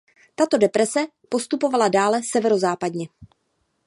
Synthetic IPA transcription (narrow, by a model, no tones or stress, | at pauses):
t̪at̪o̞dɛpɾɛsɛ | po̞st̪upo̞valadaːlɛsɛvɛɾo̞zaːpadɲɛ